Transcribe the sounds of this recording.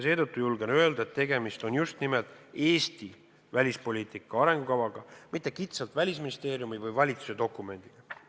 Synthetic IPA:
se̞ːt̪ɤt̪ːujulɡenø̞e̞ld̪ɑet̪ːe̞ɡe̞mist̪o̞njust̪nimeld̪̥ˑe̞ːst̪i | vælʲispo̞lʲiːt̪ˑikːˑɑɑɾe̞ŋɡ̥ukɑvɑɡ̥ɑmit̪ːˑe̞kit̪selt̪vælʲis̬minist̪e̞ːɾjumivɯjvɑlʲit̪su̥se̞d̪o̞kːˑume̞nʲd̪̥iɡ̥ɑ

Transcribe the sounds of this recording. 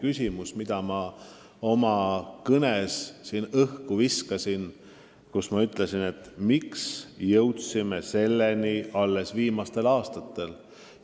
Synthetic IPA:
kysʲimusmid̪̥ɑmɑ | o̞mɑkɤnesːinɤhkuviskɑsin | kusmɑyt̪ːˑle̞sine̞t̪ːmiksjɤwt̪sime̞se̞lːeniʔɑlːe̞sviːmɑst̪e̞lɑːst̪ɑt̪ːˑe̞l

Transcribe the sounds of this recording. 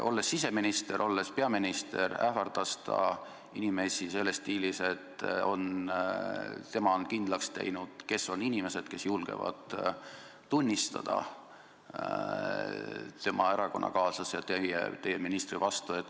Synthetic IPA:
ʔo̞̰lːe̞sːise̞minist̪e̞ɾʔo̞lːe̞spe̞ɑminist̪e̞ɾæhfɑrd̪̥ɑst̪ʰɑ̰ | inime̞sise̞lːe̞st̪iːlise̞t̪ːo̞̰n | t̪e̞mɑonkind̪lɑkst̪ḛjnud̪̥ke̞so̞ninʲime̞se̞d̪̥ke̞sjulɡ̥e̞̰vɑ̰d̪̥ | t̪unʲːist̪ɑ̰d̪̥ɑ̰ | t̪e̞mʔɑeɾɑko̞nːɑ̰kɑːsɑsjɑt̪ejḛt̪e̞jeminist̪rivɑst̪ue̞t̪ːˑ

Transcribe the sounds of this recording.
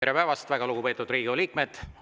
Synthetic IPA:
eɾe̞pæevɑst̪væɡɑluɡ̥upe̞t̪ːˑud̪riːɡ̥ioliːk̚med̪̥

